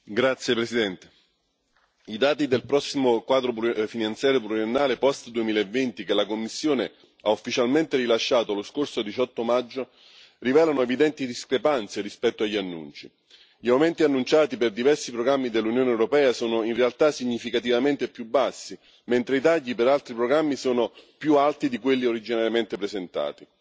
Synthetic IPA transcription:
ɡɾat̪sjepɾesid̪ɛnt̪e̥ | id̪aːt̪id̪elpɾɔsːimokwaːd̪ɾopfinant̪sjaːɾjopluɾienːaːlepɔst̪d̪uemiːlaevːent̪ikelakomːisːjoːne | aufːit͡ʃalment̪erilaʃːaːt̪oaloskorsod̪it͡ʃɔt̪ːomad͡ʒːo | rivɛːlanoevid̪ɛnt̪id̪iskɾepant̪seɾispɛt̪ːoaʎːianːṵnt͡ʃi | ʎiawment̪ianːunt͡ʃaːt̪iperd̪ivɛrsipɾoɡɾamːid̪elːunjoːneɛwɾopɛːasoːnoinrealt̪asiɲːifikat̪̬ivament̪epjubːasːi | ment̪ɾeit̪aʎːipeɾalt̪ɾipɾoɡɾamːisoːnopjualt̪id̪ikwelːioɾid͡ʒinaɾjament̪epɾezent̪a̰ːt̪i

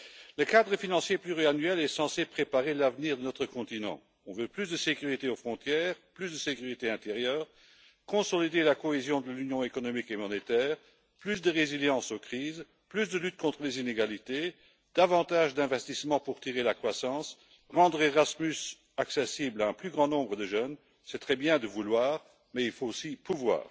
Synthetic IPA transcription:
ləkad̪ʁəfinɑ̃sjeplyʁianɥɛlɛsɑ̃sepχepaʁelavniʁd̪ənɔt̪χəkɔ̃t̪inɑ̰̃ | ɔ̃vøplysd̪əsekʲyʁit̪eofχɔ̃t̪jɛːʁplysd̪əsekyʁit̪eɛ̃t̪eʁjœːʁ | kɔ̃sɔlid̪elakɔezjɔ̃d̪əlynjɔ̃ekɔnɔmikemɔnet̪ɛːʁ | plys̬d̪əʁeziljɑ̃sokχiːz | plysd̪əlyt̪̚kɔ̃t̪χəlezineɡalit̪e | d̪̥avɑ̃t̪aʒd̪ɛ̃vɛst̪ismɑ̃puʁt̪iʁelakχwasɑ̃s | ʁɑ̃d̪ʁeʁasmys | aksɛsiblaɛ̃plyɡʁɑ̃nɔ̃bʁəd̪əʒœn | sɛt̪χɛbjɛ̃d̪əvulwaːʁ | mɛilfoosipuvwa̰ːʁ

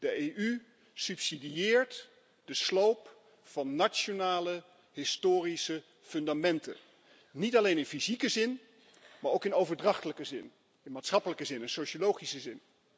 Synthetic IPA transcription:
d̥əejʔy | sʉpsidiɪːɹt | dəslowp | fɑnːat͡ʃonaːlə | ɦɪstʊːrisə | fɵndamɛntə̰ | nitɑlejnɪnfizikəzɪn | maːɹowkɪnowvəɹdrɑχtələkəzɪ̰n | ɪnmaːtsχɑpələkəzɪnənsoʃolowχisəzɪn

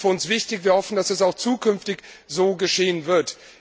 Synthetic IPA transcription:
fɐʊnsv̥ɪçtɪçv̥iːɐhɔfn̩d̥asɛsaʊxt͡suːkʰʏnftɪçzoːɡəʃeːənvɪɐt

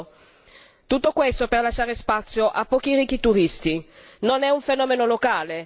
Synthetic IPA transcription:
t̪ut̪ːokwest̪operlaʃːaːɾespat̪sːjoʔapːɔːk̟iɾikːit̪uɾist̪inonɛuɱfenɔːmenolokaːle

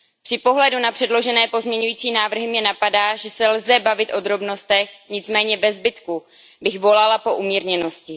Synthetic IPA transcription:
pr̥ɪpo̞ɦlɛdunapr̥ɛdlo̞ʒɛnɛːpo̞zmɲɛɲujiːt͡siːmnaːvr̩ɦɪmɲɛnapadaːʒɛsɛlzɛbavɪt̪ʔo̞d̪ɾo̞bno̞st̪ɛxɲɪt͡smɛːɲɛvɛzbɪt̪ku | bɪxvo̞lalapo̞ʔumiːɾɲɛno̞scɪ

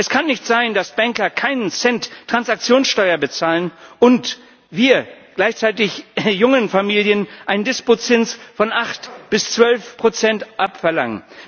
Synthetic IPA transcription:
ʔɛskʰanːɪçtz̥aɪndasb̥ɛŋkɐkʰaɪnənsɛntːʰʁ̥ansak̚t͡sjoːnsʃtɔʏɐbət͡saːlənʔʊnt | v̥iːɐɡ̥laɪçt͡saɪtɪçjʊŋənfamiːljənʔaɪnəndɪspot͡sɪnsfɔnʔaχtb̥ɪst͡sv̥œlfpʁ̥ot͡sɛntʔapfɛɐla̰ŋən

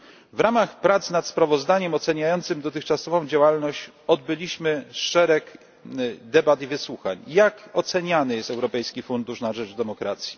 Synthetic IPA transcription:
vɾamaxpɾat̪snat̪spɾavɔzd̪aɲɛmɔt̪sɛɲajɔnt̪sɘmd̪ɔt̪̬ɘxt͡ʂasɔvɔ̃w̃d͡ʑawalnɔɕt͡ɕ | ɔd̪̚bɘlʲiɕmɘʂɛɾɛk | d̪ɛbat̪ivɘswuxa̰ɲjakɔt̪sɛɲanɘjɛst̪ɛwɾɔpɛjskʲifund̪uʂnaʐɛd͡ʐd̪ɛmɔkɾat̪sʲji̥

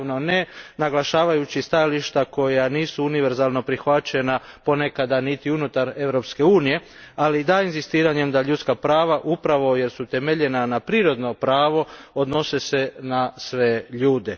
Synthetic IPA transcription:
none̞naɡlˠaʃaːʋajut͡ɕist̪ajaliʃt̪ako̞janiːsuuniʋe̞ɾzaːlˠno̞pɾixʋat͡ɕe̞napo̞ne̞kad̪anit̪iunut̪aɾe̞ʋɾo̞pske̞uːnije̞ | alid̪aːinzist̪iːɾaɲe̞md̪aʎut̪skapɾaːʋaʔupɾaʋo̞je̞ɾsut̪e̞meʎe̞nanapɾiːɾo̞d̪no̞pɾaːʋo̞od̪no̞se̞se̞nasʋe̞ʎuːd̪e

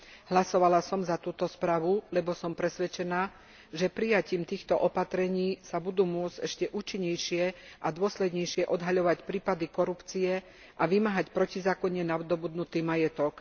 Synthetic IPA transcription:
ɦlasɔʋalasɔmzat̪uːt̪ɔspɾaːʋulɛbɔsɔmpɾɛsʋɛt͡ʃɛnaː | ʒɛpɾijaciːmt̪iːxt̪ɔʔɔpat̪ɾɛɲiːsabud̪uːmʊɔd͡zɟɛʃcɛʔuːt͡ʃiɲːɛjʃɪɛʔad̪ʊɔslɛd̪ɲɛjʃɪɛʔɔd̪ɦaʎɔʋacpɾiːpad̪ikɔɾupt͡siɛ | ʔaʋimaɦacpɾɔcizaːkɔɲɛnaʋd̪ɔbud̪nut̪iːmajɛt̪ɔk

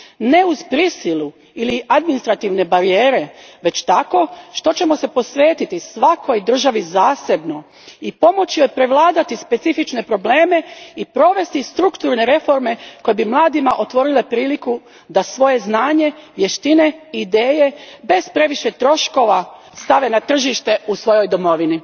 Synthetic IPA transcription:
ne̞uzpɾisilu | iliʔad̪minist̪ɾat̪iʋne̞baɾijeːɾeʋe̞t͡ɕt̪ako̞ʃt̪o̞t͡ɕe̞mo̞se̞po̞sʋe̞ːt̪it̪isʋako̞jd̪r̩ʒaʋizaːse̞bno̞ | ipo̞mo̞t͡ɕijojpɾe̞ʋlˠaːd̪at̪ispe̞t̪sifit͡ʃne̞pɾo̞ble̞ːme̞ipɾo̞ʋe̞st̪ist̪ɾukt̪uɾne̞ɾe̞fo̞ɾme̞ko̞jebimlˠaːd̪imaʔo̞t̪ʋo̞ɾile̞pɾiːliku | d̪asʋo̞je̞znaːɲe̞ʋje̞ʃt̪ine̞id̪eːje̞be̞zpɾe̞ʋiʃe̞t̪ɾo̞ʃko̞ʋa | st̪aʋe̞nat̪r̩ʒiʃt̪e̞usʋo̞jo̞jd̪o̞mo̞ʋini

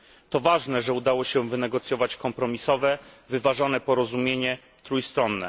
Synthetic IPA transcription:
t̪ɔvaʐnɛʐɛud̪awɔɕɛ̃vɘnɛɡɔt̪sjɔvat͡ɕkɔmpɾɔmʲisɔvɛvɘvaʐɔnɛpɔɾɔzumʲjeɲɛ | t̪ɾujst̪ɾɔnːɛ̰

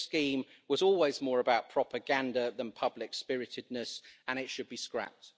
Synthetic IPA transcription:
skĩːm | wɒzɔːlˠwɪzmɔːɹəbaʊʔ̚pʰɹ̥ɒpəɡãndəðə̃npʰʌblɪkspɪɹɪtɪdⁿnəsə̃ñɪtʃəd̚biskɹa̰p̚t

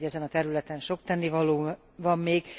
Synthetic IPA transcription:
ɛzɛnɒt̪ɛɾylɛt̪ɛnʃo̞k̚t̪ɛnːivɒloː | vɒmːeːɡ̥

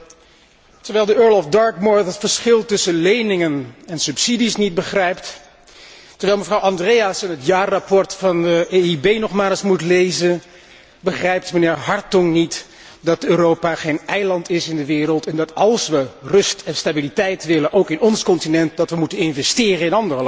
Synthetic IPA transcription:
təɹʋɛjlˠdəøːɹlɔfdɑɹkmɔɹθətfəɹsχɪlˠtɵsənlejnɪŋənɛnsɵpsidisnit̚bəχrɛjpt | təɹʋɛjlˠməvrɑwɑndrejasɛnɦətjaːrapɔɹtfɑndəeibejnɔχmaːlˠsmutlejzən | bəχrɛjptmənɪːɹɦɑɹtɔŋnit | dɑt̚øːrowpaχejnɛjlɑntɪsɪndəʋɪːrəlˠtɛndɑtɑlˠsʋərɵstɛnstabilitɛjtʋɪlənʔowkɪnɔnskɔntinɛnt̚dɑtʋəmutənɪnvɛstɪːrənɪnɑndərəl

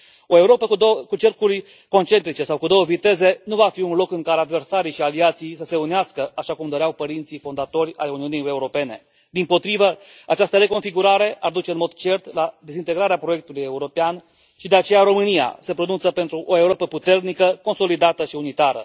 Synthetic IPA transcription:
o̞e̞uɾo̞pəuokut͡ʃe̞rkurʲ | ko̞nt͡ʃe̞nt̪ɾit͡ʃe̞sawkud̪o̞wəvit̪e̞ze̞nuvafiunlo̞kɨŋkaɾead̪ve̞rsaɾijʃialiat̪sijsəse̞uneaskəaʃakumd̪oɾeawpəɾint̪sifo̞nd̪at̪o̞rʲa̰juniunije̞uɾo̞pe̞ne̞̰ | d̪impo̞t̪ɾivə | at͡ʃast̪əɾe̞ko̞nfiɡuɾaɾe̞ʔard̪ut͡ʃe̞ɨnmo̞d̪t͡ʃe̞rt̪lad̪ezint̪e̞ɡɾaɾeapɾo̞je̞k̚t̪uluje̞uɾo̞pean | ʃid̪e̞at͡ʃe̞jaɾo̞mɨnija̰se̞pɾo̞nunt̪səpe̞nt̪ɾuʔo̞euɾo̞pəput̪e̞rnikəko̞nso̞lid̪at̪əʃiunit̪aɾə̰

